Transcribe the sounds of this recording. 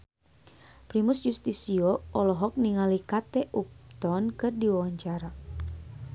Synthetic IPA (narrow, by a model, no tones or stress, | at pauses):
pɾimusd͡ʒust̪isiɔʔɔlɔɦɔk̚niŋalikat̪ɛʔuk̚t̪ɔnkɨrdiwawaɲt͡ʃaɾa